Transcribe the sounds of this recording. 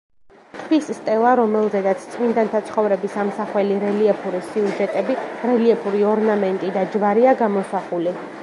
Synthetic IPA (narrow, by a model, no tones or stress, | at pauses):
t̪ʰvisst̪ʼɛlˠaɾɔmɛlˠzɛd̪at̪sʰt̪sʼmind̪ant̪ʰat̪sʰχɔvɾɛbisamsaχwɛliɾɛliɛpʰuɾisiuʒɛt̪ʼɛbiɾɛliɛpʰuɾiɔɾnamɛnt̪ʼid̪ad͡ʒvaɾiaɡamɔsaχuli